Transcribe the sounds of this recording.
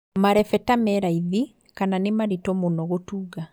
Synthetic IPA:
maɾɛfɛtamɛɾaiði | kananemaɾitɔmonɔɣotuːɣa

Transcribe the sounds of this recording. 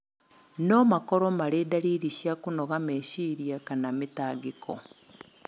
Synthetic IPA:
nomakoɾomalidaɾiɾiʃjakunoɣameːʃiɾjakanamitaːɡikʰo̰

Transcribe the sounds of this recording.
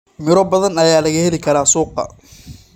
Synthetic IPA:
mɪɾɔːbɐðɐnɐjaːlɐɣɐhɛlɪkʰɐɾaːsuːqɑ̰

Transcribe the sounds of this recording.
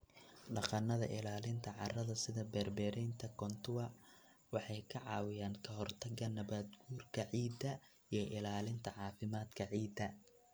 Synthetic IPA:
ɖɑqɑnɐðɐ̰ʔɪlaːlɪnt̪ʰɐʕɑ̰rɐðɐsɪðɐbɛːrbɛːɾɛjnt̪ʰɐkʰɔnt̪ʰʊwɐ | wɑħɑjkʰɐʕɑːwɪjaːŋkʰɐɦɔrt̪ʰɐɡɐnɐβaːd̪ɡuːrkʰɐʕiːd̪ɐ | ijɞʔɪlaːlɪnt̪ʰɐʕɑːfɪmaːd̪kʰɐʕiːd̪ɐ

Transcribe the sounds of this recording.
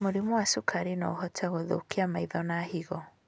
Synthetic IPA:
moɾimɔwasukʰaɾinaohɔtʰaɣoðo̰kiamaiðɔnahiɣɔ

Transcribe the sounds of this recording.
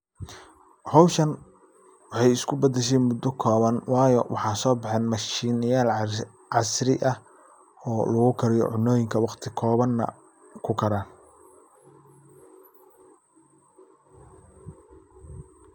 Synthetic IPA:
hɔwʃɐn | wɑħɑjɪskʰʊbɐd̪ɛʃ̬ɛːnmʊd̪ɔkʰɔːβɐnwɑːjɔ̰wʔɑħɑːsɔːbɑħɛːnmɐʃiːnɐjaːl | ʕɑsɾɪ̰ʔɐh | ɔːlɐɣʊkʰɐɾɪjɔ̰ʕʊnɔːjɪŋkʰɐwɑqt̪ʰɪkʰɔːβɐnːɐ̰ | kʰʊkʰɐɾaːn

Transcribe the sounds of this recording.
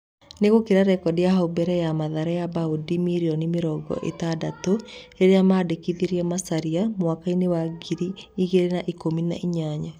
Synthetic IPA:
neɣokeɾaɾɛkɔdiaɦaubɛɾɛjamaðaɾajabaodimiɾiɔnimeɾɔɡɔ̰ʔḛtadatoeɾeamaːdekiðiɾiɛmasaɾiamwakainewaɡiɾiːɣeɾenaʔikomina̰ʔiɲaɲa

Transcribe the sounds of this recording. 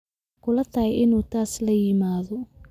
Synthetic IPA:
kʰʊlɐt̪ʰɐhɛjʔɪnuːt̪ʰaːslɐjɪmaːðɔ

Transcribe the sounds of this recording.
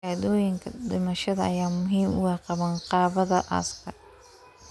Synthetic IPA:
aːd̪ɔːjɪŋkʰɐd̪ɪmɐʃɐðɐɐjaːmʊɦiːmʊɣɑːqɑβɐnqɑːβɐðɐʔɐ̰skʰɐ

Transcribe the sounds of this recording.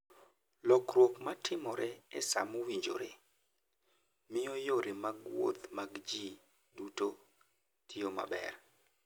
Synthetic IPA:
lɔkɾwokmatʰɪmɔɾɛɛsa̰mowiɲd͡ʒo̰ɾe | mɪjɔjoɾemaɡwo̰t̪maɡd͡ʒi | duto | tʰioma̰bɛ̰r

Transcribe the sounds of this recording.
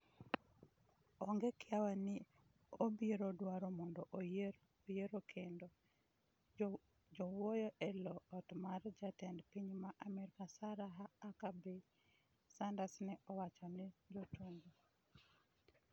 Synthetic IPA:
ɔŋɡɛkɪawanɪ | obiɾodwaɾɔmɔndɔʔ | ojeɾokʰendo | d͡ʒɔwojɔʔɛlɔɔtmard͡ʒatɛndpiɲmaʔamɛɾkasaɾaɦaːkabe | sandasnɛɔwat͡ʃɔnɛd͡ʒotundo

